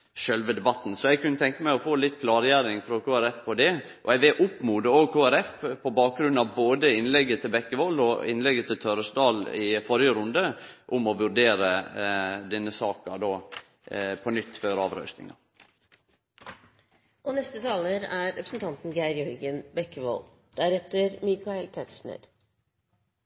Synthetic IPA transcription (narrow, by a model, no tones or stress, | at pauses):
ʃœlʋəd̪ɛbɑt̪ːnsɔɛɡkʉnːət̪ʰɛŋkəmæɪɔfoːlɪt̪ːkʰlɑːɾjæɾɪŋfɾɔkʰoːæɾɛfpʰɔd̪ɛ | ʔɔɛʋɛʔʊpːmuːd̪əoːɡkʰoːæɾɛfpʰɔbɑːk̚ɡɾʉnɑʋboːd̪əɪnlɛɡːət̪ʰɪlbɛkːəʋɔlːɔɪ̰nlɛɡːət̪ʰɪlt̪ʰœɾəsd̪ɑːlɪfɔɾjəɾʊnd̪əʔʊmɔʋʉɾd̪eːɾə | d̪ɛnːəsɑːkɑd̪oː | pʰɔnʏt̪ːføːɾɑːʋɾœ̰ʉsnɪ̰ŋɑ̰ | ʔɔnɛst̪ət̪ʰɑːləɾæɾɾɛpɾsnt̪ʰɑnt̪n̩ɡæɪɾjœɾɡənbɛkːəʋɔ̰l | d̪̥æɾɛt̪ːəɾmɪkɑɛlt̪ʰɛksn̩ə̰ɾ